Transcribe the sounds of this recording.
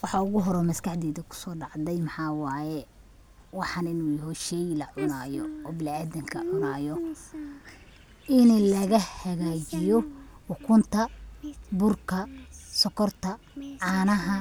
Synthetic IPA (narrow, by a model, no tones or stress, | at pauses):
wɑħɑʊɣʊɦɔɾɔmɐskʰɑħd̪ɛːðɐkʰʊ̥sɔːɖɑʕd̪ɛjmɑħɑːwɑːjɛ | wɑħɑnɪnuːjɐɦɔʃɛjlɐʕʊnaːjɔ̰ɔːbɪlaːd̪ɐŋkʰɐʕʊnaːjɔ | ʔɪnlɐɣɐhɐɣaːt͡ʃɪjɔwʊkʰʊnt̪ʰɐbʊrkʰɐsɔkʰɔrt̪ʰɐ | ʕɑːnɐɦɐ